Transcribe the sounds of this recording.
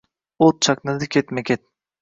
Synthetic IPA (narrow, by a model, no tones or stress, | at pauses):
ot̪̚t͡ʃʰɑknɨd̪ɨkʲet̪mɛkʲet̪̚